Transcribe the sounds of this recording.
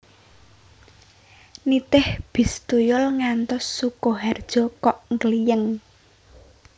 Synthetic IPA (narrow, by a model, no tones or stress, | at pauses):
nit̪ɪhb̥i̤st̪ujʊlŋant̪ɔsːukɔɦard̥ʒ̥ɔ̤kɔʔŋɡəlijəŋ